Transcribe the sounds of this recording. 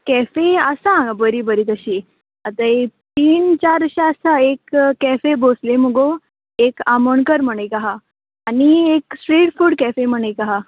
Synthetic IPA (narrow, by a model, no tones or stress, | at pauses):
kɛfeəsãbəɾibəɾiːt̪əɕiː | ət̪ait̪iːnt͡ɕaɾəɕaəsaekkːɛfebʱosleməɡo | ekaməɳkəɾm̤əɽ̃ekaɦaː | nieksʈɾiːʈfuːɽkɛfem̤əɽ̃ekaɦa